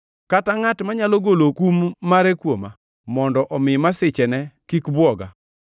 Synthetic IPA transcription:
kataŋatmaɲaloɡolokumːaɾɛkwoma | mɔndɔʔɔmɪmasɪt͡ʃɛnɛkikbwɔɡa

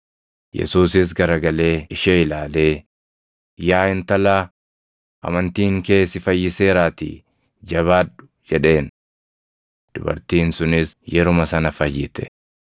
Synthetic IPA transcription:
jɛ̰suːsɪs̬ɡɐɾɐɡɐle̞ːɪʃɛɪlaːle̞ː | jaːɪnt̪ɐlaː | ʔɐ̰mɐnt̪iːŋke̞ːsɪfɐjːɪse̞ːɾaːt̪ḭː | d͡ʒɐβaːᶑʊ̥ | d͡ʒɛᶑe̞ːn | d̪̥ʊbɐ̰ɾt̪iːnsʊnɪsjɛɾʊmɐsɐnɐfɐjːɪt̪ɛ̥

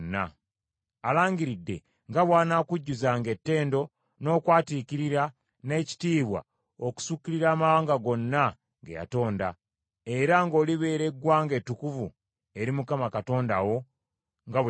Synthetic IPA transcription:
nːa | alaːɲɡiɾidːe̞̰ | ŋɡaβwaːnaːkuɟːuzaːŋɡe̞tːe̞ːndo̞ | no̞ːkwaːtikiɾiɾa | ne̞ːci̥tiːβwa̰ | oku̥sukːiɾiɾaːmaβaːŋɡaɡo̞nːa | ŋɡeja̰to̞ːnda | e̞ɾaŋɡo̞ːliβe̞ːɾe̞ɡwaːŋɡe̞tːukuvṵ | e̞ɾimukamakato̞ːndawo̞ | ŋɡaβ

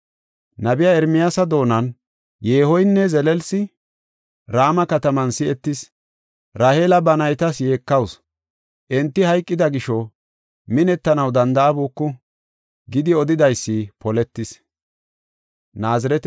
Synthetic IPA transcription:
nɐbɪjaɛɾmɪjaːsɐd̪o̞ːnɐn | je̞ːhɔjnːɛzɛlɛlsɪ | ɾaːmɐkɐt̪ɐmɐnsɪɛt̪ːɪs | ɾaːheːlɐbɐnɐjt̪ɐsje̞ːkːɐws | ʔɛnt̪ːɪhɐjkʼːɪd̪ɐɡɪʃɔ | mɪnɛt̪ːɐnɐwd̪ɐnd̪ɐɐbuːkːʊ | ɡɪd̪ɪɔd̪ɪd̪ɐjsːɪpɔlɛt̪ːɪs | naːzɪɾɛt̪

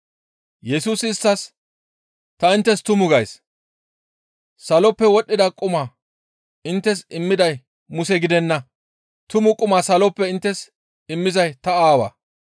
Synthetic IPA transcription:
jɛsuːsɪst̪ːɐs | t̪ɐɪnt̪ːɛst̪ʊmʊɡɐjs | sɐlɔpːɛwɔɗːɪd̪ɐkʼʊmaː | ɪnt̪ːɛsɪmːɪd̪ɐj | mʊsɛɡɪd̪ɛnːɐ | t̪ʊmʊkʼʊmaːsɐlɔpːɛɪnt̪ːɛs | ɪmːɪzɐjt̪ɐaːwɐ̰ː

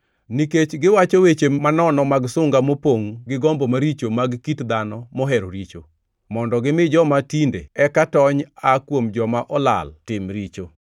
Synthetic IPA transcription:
niket͡ʃɡɪwat͡ʃowet͡ʃemanɔnɔmaɡsʊŋɡamopoŋɡɪɡɔmbomaɾit͡ʃomaɡkitd̪anɔmɔɦɛɾoɾit͡ʃo | mɔndɔɡɪmɪd͡ʒɔmatindḛɛkatɔɲakwomd͡ʒɔmaʔɔla̰ltɪmɾit͡ʃo

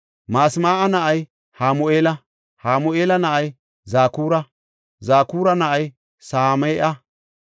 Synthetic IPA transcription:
maːsmaːʔɐnɐʔɐj | haːmʊʔeːlɐ | haːmʊʔeːlɐnɐʔɐj | zaːkuːɾɐ | zaːkuːɾɐnɐʔɐj | saːmeːʔɐ

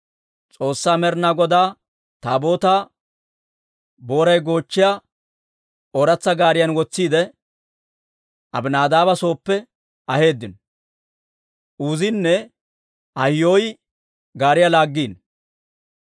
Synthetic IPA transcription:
t͡sʼo̞ːsːaːmɛɾnaɡɔd̪aː | t̪aːbo̞ːt̪aː | bo̞ːɾɐjɡo̞ːt͡ʃːɪja | ɔɾɐt͡sːɐɡaːɾɪjɐnwɔt͡sːiːd̪ɛ | ʔɐ̰bnaːd̪aːbɐso̞ːpːɛ | ɐhe̞ːd̪ːɪnɔ | ʔuːzɪnːɛ | ɐjːoːj | ɡaːɾɪjalaːɡːiːn

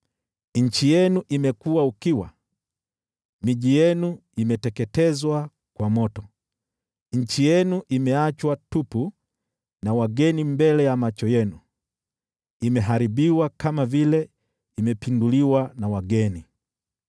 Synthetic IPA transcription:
ɲ̩t͡ʃijɛnuʔimɛkuwaukiwa̰ | miʄijɛnu | imɛtɛkɛtɛzwa | kwamɔtɔ | ɲ̩t͡ʃijɛnuʔimɛat͡ʃwatupu | nawaɡɛnimbɛlɛjamat͡ʃɔjɛnu | imɛɦaɾiɓiwakamavilɛ | imɛpinduliwanawaɡɛni

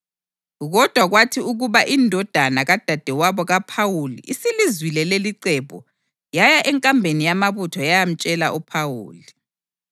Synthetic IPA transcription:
ɣɔd̥ʱwaɣwatʰiuɣuβaʔindʱɔd̥ʱanaɣad̥ʱad̥ʱɛwaβɔɣapʰawulḭʔisilizwilɛleliǀɛpʼɔ | jajaʔɛŋkʼambʱenijamaβutʰɔjajam̩t͡ʃʼɛlaʔupʰawṵːli

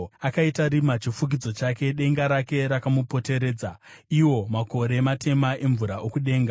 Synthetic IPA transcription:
akaitaɾimat͡ʃifuɡ̬id͡zo̞t͡ʃake̞ɗe̞ŋɡaɾake̞ɾakamupo̞te̞ɾe̞ːd͡zaiwo̞mako̞ɾe̞matʰe̞maʔe̞ɱvuɾaokuɗe̞ːŋɡa

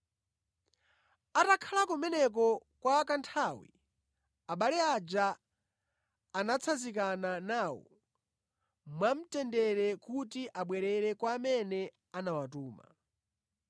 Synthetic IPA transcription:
atakʰalakumɛnɛk̬ɔkwaːkantʰawḭ | aɓalɛad͡ʒa | nat͡sʰazikananawɔ̰ | mwam̩tɛndɛɾɛkutiʔaɓwɛɾɛɾɛkwaːmɛnɛ | anawatuːma̰

